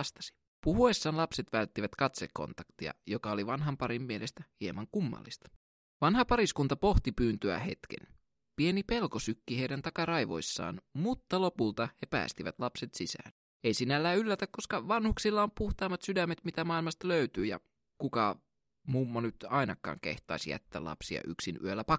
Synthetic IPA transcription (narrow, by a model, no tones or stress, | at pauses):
st̪ɑ̥si̥ | puhuesːɑːnlɑpse̞t̪ʋælt̪ːiʋæt̪kɑt̪sekːo̞̰nt̪ɑkt̪iɑ̰jo̞kɑo̞liʋɑnɦɑmpɑɾimːie̞lest̪æhiemːɑŋkumːɑ̰lːist̪ɑ̥ | ʋɑnɦɑpɑɾiskunt̪ɑpo̞xt̪ipyːnt̪yæ̰he̞̰t̪kḛn | pie̞nipe̞lko̞sykːihe̞ijdænt̪ɑkɑrɑjʋo̞̰isːɑ̰ːnmut̪ːɑlo̞pult̪ɑhepæ̰ːst̪iʋæt̪lɑpset̪sisæ̰ːn | eijsinælːæːylːæt̪ækko̞skɑʋɑnhuksilːɑompuht̪ɑːmːɑt̪sydæmːet̪mit̪æmɑːilmɑst̪ɑløyt̪yːjɑ̰ | kukɑ | mumːonyt̪ɑinɑkːˑɑ̰ːŋkḛht̪ˑɑ̰isijæ̰t̪ːæ̰ːlʔɑ̰psiɑ̰ʔyksiny̰ølːæpɑ